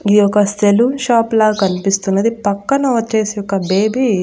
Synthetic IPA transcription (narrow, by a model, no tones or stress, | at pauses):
ɡijɔkːɐst̪ʰeluʃaːplaːkɐnipist̪unːɐd̪ipɐkːɐnɐʋɐt͡ʃe̞ːsijɔkːɐbe̞ːbi